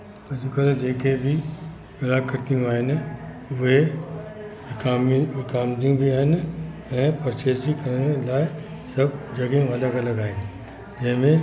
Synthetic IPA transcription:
ɐd͡ʑukət̪d͡ʑeːkebʱɪ | kɐlakːɐɾt̪ijũaːɦɪnɪ̆ | ʊɦe | ɪkaʋɪkaːmd̪ijũbʱiaːɦɪnɪɛ̃ːpɐɾt͡ɕeːsbʱikɐɾənlaːɪ | sɐbʱd͡ʑɐɡẽʋɐləɡɐlɐɡaːɦɪnɪ̆ | d͡ʑɐ̃ɦɪ̃mẽ

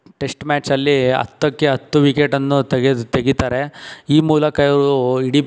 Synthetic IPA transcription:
ʈe̞sʈmaːt͡ʃɐlːiɐ̰t̪ːɐkːeɦɐt̪ːuʋikeʈɐnːut̪eɡed̪t̪eɡit̪aːɾe̞iːmuːlɐkɐjɐɾuiɽi

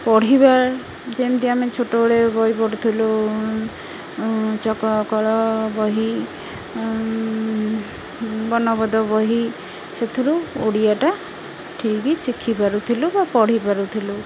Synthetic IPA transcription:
pɔɽ̤ibaɾ | d͡ʒemd̪iamet͡ʃʰoʈɔɽebɔɦipɔɽut̪ʰilu | t͡ʃɔkɔkɔɭɔbɔɦi | bɔnɔbɔd̪ɔbɔɦi | set̪ʰiɾuoɽijaʈa | ʈʰikisikʰipaɾut̪ʰilubapɔɽ̤ipaɾut̪ʰilu

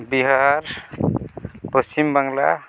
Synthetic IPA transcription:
biɦaɾ | pɔst͡ʃimbaŋla̰

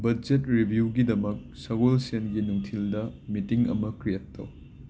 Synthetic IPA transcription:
bɐd͡ʒetɾibʱjuɡidɐmɐk̚sɐɡolsenɡinuŋtʰildɐmitiŋɐ̰mɐkɾijɐtːɐ̰w

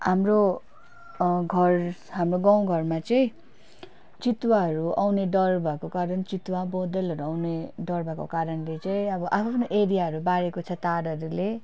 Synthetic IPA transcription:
ɦamro | ɡʱʌrɦamroɡaw̃ɡʱʌrmat͡sʌĩ | t͡sit̪waɦʌɾua̰wneɖʌrbʱakokaɾʌnt͡sit̪wabod̪elɦʌɾuawneɖʌrbʱako̰kaɾʌnlet͡sʌĩʌbʌʔapʰapʰʌnoʔeɾijaɦʌɾubaɾekot͡sʰʌt̪aɽʌɾule

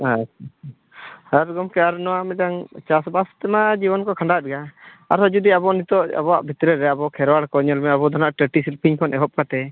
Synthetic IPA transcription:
as | haɾɡɔmkɛaɾnɔwaʔmɛdaŋt͡ʃasbast̪ɛmad͡ʒibɔnkɔkʰaɳɖat̪̚ɡa | aɾɦɔd͡ʒud̪iabɔnit̪ɔʔa̰bɔwaʔbʱit̪ɾɛɾɛabɔkʰɛɾwaɽkɔɲɔlmɛabɔd̪ʱanaʔʈəʈisilpʰiɲkʰɔnʔɛɦɔp̚kat̪ɛ

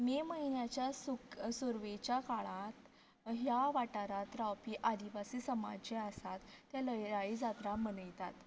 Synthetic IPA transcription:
meməɦinjat͡ɕjasuksuɾʋet͡ɕjakaɭãt̪ | ɦjaʋaʈaɾat̪ɾawpiːʔad̪iʋasiːsəma̰d͡ʑeasat̪ːjaləjɾaid͡zat̪ɾamənəjt̪at̪

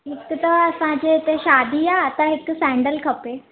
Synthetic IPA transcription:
ɦɪkʊt̪ɐɐsãd͡ʑeɪt̪eʃaːd̪ʱiaːt̪ɐɦɪksɛ̃ːɳɖəlkʰɐpeː

